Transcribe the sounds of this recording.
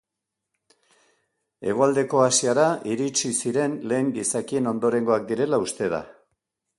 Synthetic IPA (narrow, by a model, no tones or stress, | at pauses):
e̞ɣ̞o̞ald̪e̞ko̞asiaɾaʔiɾit͡ʃisiɾe̞nle̞ːŋɡisakie̞no̞nd̪o̞ɾe̞ŋɡo̞ak̚d̪iɾe̞laust̪e̞ð̞a̰